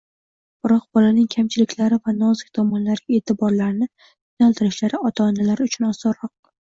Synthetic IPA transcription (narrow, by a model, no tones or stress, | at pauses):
b̥ɪɾɒq̚bɒlanɪŋkʲʰamt͡ʃʰɪlɪkʲlaɾɪvanɒzɪk̚ʲt̪ʰɒmɒnlaɾʲe̞t̪ʰɪbɒɾlaɾnɪ | tʰɪnalˠt̪ʰɪɾɪʃlaɾɪɒt̪ʰaːnalaɾʊt͡ʃʰʊnɒsɒɾɒq̚